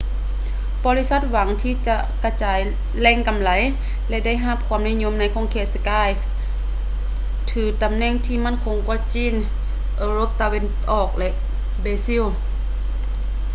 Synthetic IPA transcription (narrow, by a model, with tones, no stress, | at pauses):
bɔː˧li˧˥˨sa˧˥t̪̚wa˨˦ŋt̪ʰiː˧˨t͡ɕa˧ʔka˧˩t͡ɕaː˨˦j | lɛː˧˥˨ŋka˨˦mla˨˦j | lɛ˧da˥˩˨jɦa˧˥˨p̚kʰuː˧˦mni˧˨ɲo˧˥˨mna˧˥jkʰɔː˧˥ŋkʰeː˧˩t̪̚sa˧kaː˧˩˨jf | t̪ʰɯː˨˩t̪a˨˦mnɛː˧˥˨ŋt̪ʰiː˧˩ma˧˥˨nkʰoː˨˧˦ŋkɔː˧˥˩t͡ɕiː˧˥˨n | ʔɤː˧ɾo˧˦˨p̚t̪a˧we˧˥nʔɔː˨˩k̚lɛ˧ʔ | beː˧si˧˥˨w